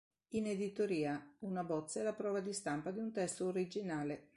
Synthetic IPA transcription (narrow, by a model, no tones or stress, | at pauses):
ined̪it̪oɾiːaunabɔt̪sːɛlapɾɔːvad̪ist̪ampad̪iunt̪ɛst̪ooɾid͡ʒinaːle